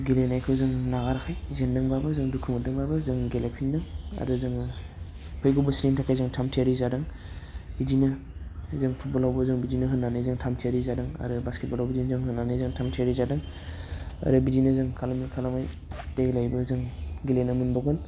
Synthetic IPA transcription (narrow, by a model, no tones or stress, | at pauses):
ɡilenajkʰɯwzɯŋnaɡaɾakʰajzenːɯŋbabɯzɯŋdukʰɯmɯdɯŋbabɯzɯŋɡelepʰindɯŋa̰ɾɯzɯŋ | pʰɯjɡubɯsɾintʰakʰajzɯŋtʰamtʰjaɾizadɯŋ | bidinɯ | zɯŋpʰut̚bɔlawbɯzɯŋbidinɯɦɯnːanɯjzɯŋtʰamtʰiaɾizadɯŋa̰ɾɯbasket̚balawbidinzɯŋɦɯnːanɯzɯŋtʰamtʰiaɾizadɯŋ | a̰ɾɯbidinɯzɯŋkʰalamikʰalamaj | teɡlajbɯzɯŋɡilenamɯnbaɡɔn